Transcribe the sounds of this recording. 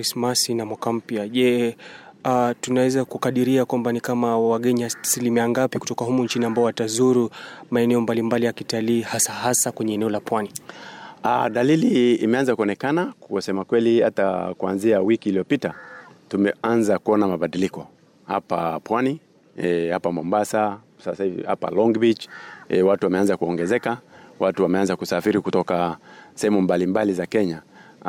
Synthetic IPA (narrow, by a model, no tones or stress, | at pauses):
ismasinamwakam̩pjaʄɛ | atunawɛzakukaɗiɾiakwambanikamawaɠɛɲiasilimiaŋɡapiku̥tɔkaɦumuɲt͡ʃiniambaɔwatazuɾumaɛnɛɔmbalimbalijakitaliːhasahasakwɛɲɛɛnɛɔlapwani | a̰ɗalilḭːmɛanzakuɔnɛkanakusɛmakwɛliata̰kuanziawikiːliɔpitatumɛanzakuɔnamaɓaɗilikɔ | ha̰papwani | ɛhapamɔmbasa | sasaivḭha̰pa̰lɔŋɡbit͡ʃɛwatuwamɛanzakuɔŋɡɛzɛkawatuwamɛanzakusafiɾikutɔkasɛhɛmumbalimbalizakɛɲa